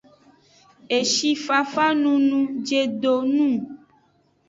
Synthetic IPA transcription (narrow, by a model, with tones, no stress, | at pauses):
e˨ʃi˦fa˨fa˦nũ˦nũ˦d͡ʒe˨ɖo˨nũ˦